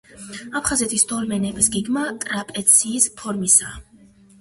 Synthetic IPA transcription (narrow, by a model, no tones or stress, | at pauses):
apʰχazɛt̪ʰisd̪ʰɔlmɛnɛbisɡiɡmat̪ʼɾapʼɛt̪sʰiːspʰɔɾmisa